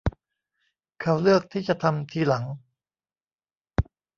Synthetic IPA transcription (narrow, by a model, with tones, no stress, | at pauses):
kʰa˧˩wlɯ˥˩ək̚t̪ʰiː˥˩t͡ɕa˨˩ʔt̪ʰa˧mt̪ʰiː˧la˩˦ŋ